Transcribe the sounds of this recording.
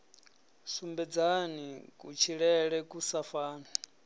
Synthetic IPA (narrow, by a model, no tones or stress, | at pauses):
sumbɛd͡zanikʼut͡ʃʰiɺɛɺɛkʼusafaːna